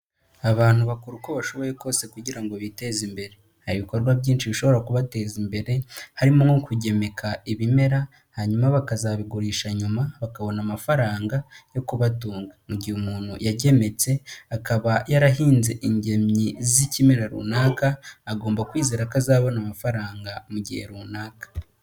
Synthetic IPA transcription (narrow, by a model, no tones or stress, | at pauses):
aβaːn̥huβakuɾuko̞βaʃo̞βo̞je̞ko̞ːse̞kuɟiɾaŋɡo̞βite̞zimbe̞ɾe | haɾiβiko̞ɾɡwaβɟiːnʃiβiʃo̞βo̞ɾakuβate̞ːzimbe̞ɾe̞haɾimoŋokuɟe̞me̞kʰaiβime̞ɾa | haɲumaβakazaβiɡuɾiːʃaɲumaβakaβo̞namafaɾaːŋɡajo̞kuβatuːŋɡamuɟihumuːnhṵjaɟe̞me̞t͡se̞akaβajaɾaɦiːnze̞ʔiɲɟe̞mɲizicime̞ɾaɾṵːnaːkaːɡo̞ːmbakwiːzeːɾakazaːβo̞namafaɾaːŋɡamuɟihe̞̰ɾuːnaːkḁ